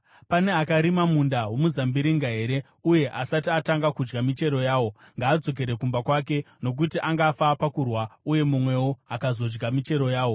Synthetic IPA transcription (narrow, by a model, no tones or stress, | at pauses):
pane̞akaɾimamundawo̞muzambiɾiŋɡaɦe̞ɾe̞ | uje̞ʔasatiataŋɡakud͡ʒɡamit͡ʃe̞ɾo̞jaːwo̞ | ŋɡaːd͡zo̞k̬e̞ɾe̞kumbakwake̞ | no̞k̬utiʔaŋɡaːfapakurwauje̞mumwe̞woakazo̞d͡ʒɡamit͡ʃe̞ɾo̞jaːwo̞